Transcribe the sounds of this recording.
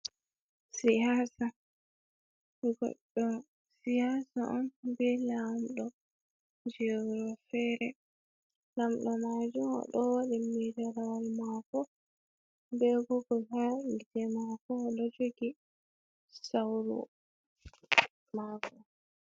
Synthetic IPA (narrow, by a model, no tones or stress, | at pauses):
sijasa | mɡɔ̰ɗːɔ | sijasaʔambɛlamɗɔ | d͡ʒɛɾɔfɛɾɛ | lamɗɔmaːd͡ʒumɔ̰ɗɔwaɗɛmidɛɾawalmakɔ | bɛɡɔɡɔhaid͡ʒɛmakɔːɗɔd͡ʒoɡi | sawɾṵ | makɔ